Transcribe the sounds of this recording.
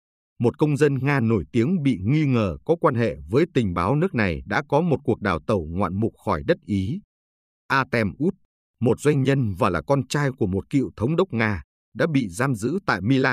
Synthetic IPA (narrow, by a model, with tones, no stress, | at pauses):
mo˨˩t̚kə˧wŋ͡mzə˧nŋaː˧no˧˩jt̪i˨˦əŋɓḭ˧˨ŋi˧ŋəː˨˩kɔ˨˦kwaː˧nɦḛ˧˨vəː˨˦jt̪ï˨˩ŋ̟ɓaː˨˦wnɨ˦˥ək̚na˨˩jɗa̰ː˧˥kɔ˨˦mo˨˩t̚ku˨˩ək̚ɗaː˨˩wt̪ə˨˧˩wŋwa̰ː˧˨nmu˨˩k̚xɔ˧˩jɗə˦˥t̚ʔi˨˦ | ʔaː˧t̪ɛ˧mʔu˦˥t̚ | mo˨˩t̚zwa˧jŋ̟ɲə˧nvaː˨˩laː˨˩kɔ˧nt͡ɕaː˧jku˧˩əmo˨˩t̚kḭ˧˨ə˨wt̪ʰə˨˦wŋ͡mɗə˦˥wk͡p̚ŋaː˧ | ɗa̰ː˧˥ɓḭ˧˨zaː˧mzɨ̰˧˥t̪a̰ː˧˨jmi˧laː˧